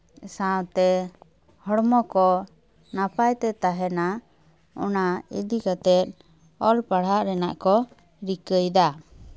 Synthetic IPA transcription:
sãwt̪ɛ | hɔɽmɔkɔ | napajt̪ɛt̪aɦɛna | ɔ̰naḭd̪ikat̪ɛt̪̚ˀ | ɔlpaɽ̤ɦaʔɾɛnaʔkɔ | ɾikəjd̪a

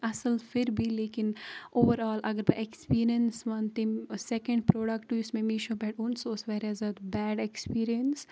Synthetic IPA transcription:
ɐsəlfʰɪɾbʱileːkɪnoːʋəɾaːlʔɐɡəɾbɐʔekspiːɾiənsʋɐnt̪ɪ̃sɛkə̃ɳɖ̚pɾoːɖəkʈuʊsmẽmiːʃõbɛʈʊ̃nsoːsʋɛːɾɛːzɐd̪bɛːɖekspiːɾijəns

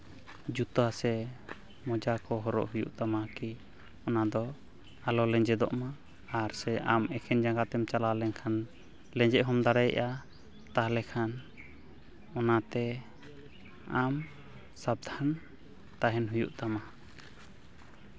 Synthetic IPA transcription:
d͡ʒut̪asɛ | mɔd͡ʒakɔɦɔɾɔ̰ʔɦujṵʔt̪amaki | ɔnad̪ɔ | alɔlɛɲd͡ʒɛd̪ɔ̰ʔmaː | ɾsɛʔamɛkʰɛnd͡ʒaŋɡat̪ɛmt͡ʃalalɛŋkʰan | lɛ̃ɲd͡ʒɛʔɦɔmd̪aɽɛj̰ʔa | t̪aɦlɛkʰan | ɔnat̪ɛ | am | sab̚d̪ʱan | t̪aɦɛnɦujṵʔt̪ama

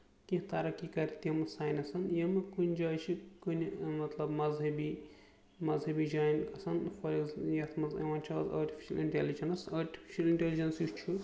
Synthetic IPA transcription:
kĩht̪ɐɾɐkikɐɾʲt̪ɐmɨsaːjnʲɐsɐnjɐmɨkunʲd͡ʒaːjt͡ʃʰikunʲmɐt̪lɐbmɐzɦɐbi | mɐzɦɐbiːd͡ʒaːjnkɐsɐnfɐlizjɐt̪ʰmɐzɐ̰ʋɐːnʲt͡ʃʰaːza̰ːɾʈi̥fʰi̥ʃɐliɳʈeːlid͡ʒɐnɐsɐːɾʈi̥fiʃɐliɳʈʲeːlid͡ʒɐnsjut͡ʃʰu

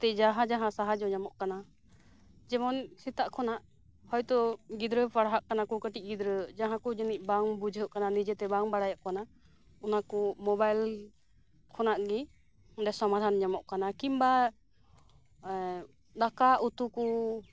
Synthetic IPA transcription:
t̪ɛd͡ʒaɦãd͡ʒaɦãsaɦad͡ʒɔɲamɔʔkana | d͡ʒɛmɔnsit̪aʔkʰɔnaʔ | hɔjt̪ɔɡid̪ɾəpaɽɦaʔkanakukəʈic̚ˀɡid̪ɾəd͡ʒaɦãkud͡ʒənic̚ˀbaŋbud͡ʒʱɦəʔkananid͡ʒɛt̪ɛbaŋbaɽajaʔkana | ɔnakɔmɔbajl | kʰɔnaʔɡi | ɖɛsɔmad̪ʱanɲamɔʔkanakimba | ɗ̪akaʔut̪uku

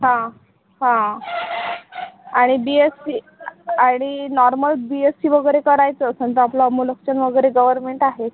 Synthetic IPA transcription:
ɦã | hã | aɽ̃ibiesi | aɽ̃inɔɾməlbiesiʋəɡəjɾekəɾajt͡səːsənt̪əaplɔəmuləkɕənʋəɡəjɾeɡəʋəɾmeɳʈaɦet̪

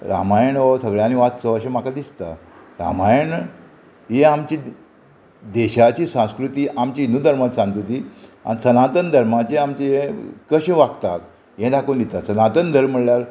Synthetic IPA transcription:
ɾa̰majəɳʋosəɡɭjaniʋat̪sɔəɕəmakad̪ist̪a̰ | ɾa̰majəɳ | ɦeamt͡ɕiː | d̪eɕat͡ɕiːsãw̃skɾut̪iːʔamt͡ɕiːnud̪ʱəɾmat̪sãŋɡt̪ut̪iːa̰nsənat̪ənd̪ʱəɾmat͡ɕeamt͡ɕeɦẽkəɕʋakt̪at̪ | ɦẽd̪akond̪it̪asənat̪ənd̪ʱəɾmːəɽljaɾ

